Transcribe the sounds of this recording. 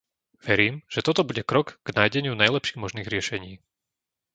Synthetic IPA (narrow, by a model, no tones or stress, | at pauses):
ʋɛɾiːmʒ̥ɛt̪ɔt̪ɔbuɟɛkɾɔɡɡ̥naːjɟɛɲɪunajlɛpʃiːɣmɔʒniːɣɾɪɛʃɛɲiː